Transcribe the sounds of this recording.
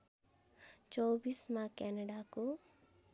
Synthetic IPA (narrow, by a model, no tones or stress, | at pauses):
t͡ʃɔːbismãkɛːnəɖako